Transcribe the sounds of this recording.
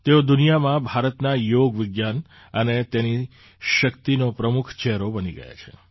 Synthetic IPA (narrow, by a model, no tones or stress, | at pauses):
t̪eod̪unijamãbʱaɾət̪najoɡʋɪɡjan | ənet̪eni | ʃəkt̪inopɾəmukʰt͡ʃɛɦɾobəniɡə̰ja̰t͡ʃʰḛ